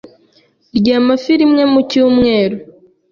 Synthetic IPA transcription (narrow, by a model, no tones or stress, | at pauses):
ɾjaːmafiɾimŋe̞mucuːmŋe̞ːɾo